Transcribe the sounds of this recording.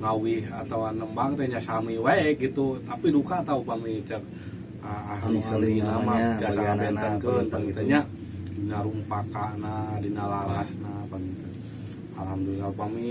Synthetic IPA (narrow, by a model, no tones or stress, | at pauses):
ŋawiɦat̪awanəmbaŋt̪eɲasamiwaeʔɡit̪ut̪apidukat̪aupamit͡ʃək̚ | aaɦmisəlinamaid͡ʒasaabɛnt̪əŋkəntaŋit̪aɲa | dinaɾumpakanadinalaɾasnapaŋit̪ | alamduŋaupami